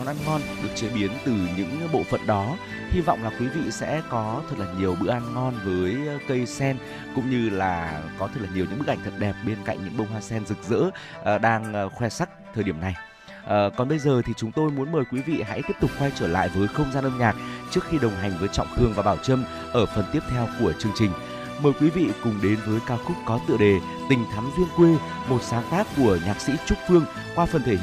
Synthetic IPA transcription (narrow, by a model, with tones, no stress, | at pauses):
ɔ˧nʔaː˧nŋɔ˧nɗɨ˨˩ək̚t͡ɕiː˧˩ɓi˨˦ənt̪ɨ˨˩ɲɨ̰˧˥ŋɓo̰˧˨fə̰˧˨nɗɔ˨˦ | hi˧vɔ̰˧˨wŋ͡mlaː˨˩kwi˨˦vḭ˧˨sɛ̰˧˥kɔ˨˦t̪ʰə˨˩t̚laː˨˩ɲi˨˩əwɓɨ̰˧˨ʔaː˧nŋɔ˧nvəː˨˦jkə˧jsɛ˧n | kʊ̰˧˥ŋ͡mɲɨ˧laː˨˩kɔ˨˦t̪ʰə˨˩laː˨˩ɲi˨˩əwɨ̰˧˥ɓɨ˦˥k̚ʔa˧˩ŋ̟t̪ʰə˨˩t̚ɗɛ˨˩p̚ɓe˧nka̰˧˨jŋ̟ɲɨ̰˧˥ŋɓə˧wŋ͡mhwaː˧sɛ˧nzɨ˨˩k̚zɨ̰˧˥˨ | ɗaː˧ŋxwɛ˧sa˦˥k̚t̪ʰəː˨˩jɗi˧˩əna˨˩j | ʔːkɔ˨˩nɓə˧jzəː˨˩t̪ʰi˨˩t͡ɕʊ˨˦ŋ͡mt̪o˧jmu˨˦ənməː˨˩jkwi˨˦vḭ˧˨ɦa̰˧˥t̪i˦˥p̚t̪ʊ˨˩k͡p̚xwa˧jt͡ɕəː˧˩la̰ː˧˨jvəː˨˦jxə˧wŋ͡mzaː˧nʔəː˧mɲaː˨˩k̚t͡ɕɨ˦˥ək̚xi˧ɗə˨˩wŋ͡mɦa˨˩jŋ̟vəː˨˦jt͡ɕɔ̰˧˨ŋ͡mt̪ʰɨ˧əŋvaː˨˩ɓaː˧˩wt͡ɕə˧m | ʔəː˧˩fə˨˩nt̪i˦˥əp̚t̪ʰɛ˧wku˧˩ət͡ɕɨ˧əŋt͡ɕï˨˩ŋ̟ | məː˨˩jkwi˨˦vḭ˧˨kʊ˨˩ŋ͡mɗe˨˦nvəː˨˦jkaː˧wkʊ˦˥k͡p̚kɔ˨˦t̪ɨ̰˧˨əɗe˨˩ | t̪ï˨˩ŋ̟t̪ʰa˨˦ŋzi˧ənkwe˧ | mo˨˩t̚saː˨˦nt̪aː˦˥kːu˧˩əɲaː˨˩k̚sḭ˧˥t͡ɕʊ˦˥k͡p̚fɨ˧əŋ | kwaː˧fə˨˩nt̪ʰe˧˩